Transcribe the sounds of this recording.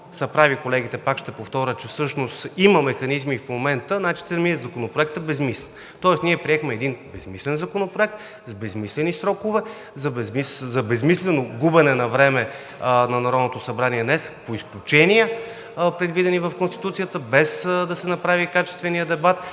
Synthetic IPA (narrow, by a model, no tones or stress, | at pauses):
sɐpɾavikolɛɡ̟it̪ɛpakʃt̪ɛpoft̪ɔɾʲət͡ʃɛfsɤʃnost̪iməmɛxɐnizmifmomɛnt̪ənat͡ʃi̥t̪ɛmiɛzɐkonopɾoɛk̚t̪ɛbɛzmislɛn | t̪ɔɛsniɛpɾiɛxmɛːd̪inbɛsmislɛnzɐkonopɾoɛk̚t̪ | zbɛzmislɛnisɾɔkʊvɛ | zɐbɛzmiszɐbɛzmislɛnoɡubənɛnɐvɾɛmɛ | nɐnɐɾɔd̪not̪osɐbɾaniɛd̪nɛspoisklʲut͡ʃɛnijə | pɾɛd̪vid̪ɛnivɐfkonst̪i̥t̪ut̪sijət̪əbɛsd̪ɐsɛnɐpɾavikat͡ʃɛst̪vɛnijəd̪ɛbat̪